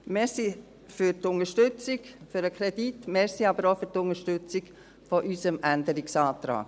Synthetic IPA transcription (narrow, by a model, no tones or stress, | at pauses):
meːɾsi | fyɾtʊŋəʃtʏt͡sɪkfyɾəkʰɾɛd̥itmeːɾsiɑbəɾofyɾtʊnəʃtʏt͡sɪɡ | fɔʔysəmʔændəɾiksɑːt̪ɾa̰ːk